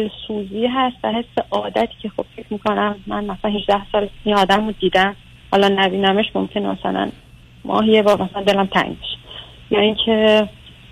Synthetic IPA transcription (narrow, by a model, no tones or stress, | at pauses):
olsuːziːɦæst̪væɦe̞sːe̞ʔɒːd̪æt̪ʰi̥ːcʰe̞xo̞b̥fecʰmiːkʰonæmːænmæsælænhid͡ʒd̪æhsɒːlinɒːd̪æmod̪iːd̪æm | hɒːlɒnæbiːnæmeʃmomcʰe̞nemæsæ̰læ̰n | mɒ̰ːɦijebɒːɾmæsælænd̪e̞læmt̪ʰæ̰ŋɟbeʃe̥ | jɒːiŋcʰe̞